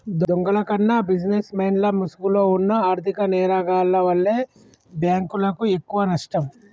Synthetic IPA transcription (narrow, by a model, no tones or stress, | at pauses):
d̪d̪oŋɡɐlɐkɐnːɐbid͡ʒnesmeːnlɐmusuɡulo̞ːunːɐaːɾt̪ʰikɐnɛːɾaːɡaːlːɐʋɐlːeː | bjaːŋkulɐkuekːuʋɐnɐʂʈɐm